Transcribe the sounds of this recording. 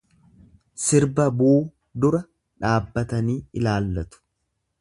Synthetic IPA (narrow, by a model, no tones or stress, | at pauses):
sɪɾbɐbuː | d̪ʊɾɐ | ᶑaːbːɐt̪ɐniːɪlaːlːɐt̪ʊ̥